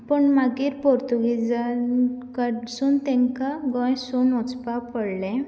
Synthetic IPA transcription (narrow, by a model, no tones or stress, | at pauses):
pəɳmaɡiːɾpɔɾt̪uɡid͡zakəɖsuːnt̪ɛ̃ŋkaɡɔ̃jsonɔt͡spapəɽlɛ̃